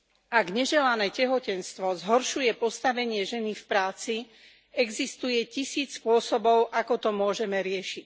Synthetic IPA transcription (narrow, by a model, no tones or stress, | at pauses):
aɡɲɛʒɛlanɛːcɛɦɔcɛnst̪ʋɔzɦɔɾʃujɛpɔst̪aʋɛɲɪɛʒɛnifpɾaːt͡si | ɛɡzist̪ujɛcisiːt͡sspʊɔsɔbɔʊʔakɔt̪ɔmʊɔʒɛmɛɾɪɛʃic